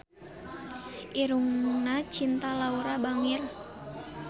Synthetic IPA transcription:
ʔiɾuŋnat͡ʃint̪alauɾabaŋɪr

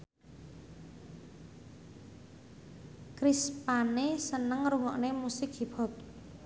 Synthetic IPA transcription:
kɾispanesənəŋɾuŋɔ̰ʔnemusɪkɦibɔ̤t̪̚

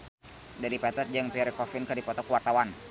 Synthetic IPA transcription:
daɾipɛt̪ɛt̪̚d͡ʒaŋpiɾkɔfɪnkadipɔt̪ɔkuwart̪awan

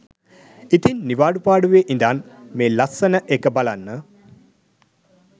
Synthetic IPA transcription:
it̪inːiʋaːɖupaːɖuʋeʔind̪aːnmeːlɐsənəʔekəbalanːə

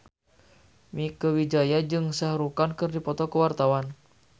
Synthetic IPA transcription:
mikəwid͡ʒajad͡ʒɨŋsahɾukankɨrdipɔt̪ɔkəwart̪awan

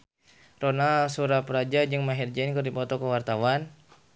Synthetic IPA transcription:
ronasuɾapəɾad͡ʒad͡ʒɨŋmaɦird͡ʒankərdipɔt̪ɔkəwart̪awan

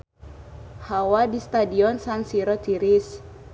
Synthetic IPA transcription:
hawadist̪adiɔnsansiɾɔt̪iɾis

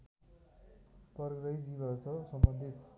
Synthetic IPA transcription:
pʌɾɡɾʌjd͡zibʌsʰʌsʌmbʌnd̪ʱit̪

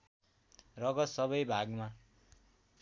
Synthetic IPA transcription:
rʌɡʌt̪sʌβʌjbʱaɡma

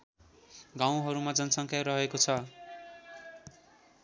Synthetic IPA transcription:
ɡãw̃ɦʌɾumad͡zʌnʌsʌŋkʰaɾʌɦekot͡sʰʌ

